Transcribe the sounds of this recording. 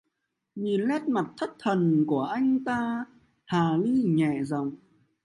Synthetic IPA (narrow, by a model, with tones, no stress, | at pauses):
ɲi˨˩nlɛ˦˥t̚ma˨˩t̚t̪ʰə˦˥t̚t̪ʰə˨˩nku˧˩əʔa˧jŋ̟t̪aː˧ | t̪ʰaː˨˩li˧ɲɛ̰˧˨za˨˩wŋ͡m